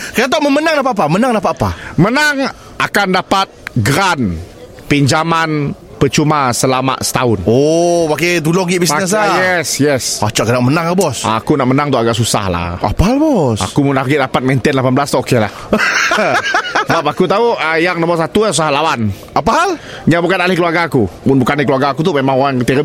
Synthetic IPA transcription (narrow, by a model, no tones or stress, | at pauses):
kaat̪ɔʔməmənaŋdapaapamənaŋdapat̪apamənaŋ | akandapat̪̚ɡɾan | piɲd͡ʒaman | pət͡ʃumasəlama̰ʔsə̥t̪aʊnɔbaket̪ulɔɡiʔbisɲas̬ajɛsjɛsat͡ʃaʔkadaŋmənaŋabɔsakunaʔmənaŋt̪uaɡaʔsusa̰hla̰a̰paalbɔsa̰kumunaɡɪʔdapat̪̚mɛnt̪ɛnlapanbəlast̪ɔʔokela̰h | səbap̬̚akut̪auəjaŋnɔmɔs̬at̪uasusahlawan | apaɦal | ɲabukanaʔlɪhkəluarɡakumʊnbukanikəluarɡakut̪̬umemaŋoɾaŋt̪iɾə